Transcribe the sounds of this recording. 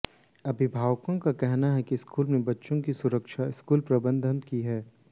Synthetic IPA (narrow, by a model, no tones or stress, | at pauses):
ɐbʱɪbʱaːʋkõkakɛɦnaɦɛkiskuːlnẽbɐtːʃõkisʊɾəkʃaɪskuːlpɾɐbə̃nd̪ʱənkiɦɛː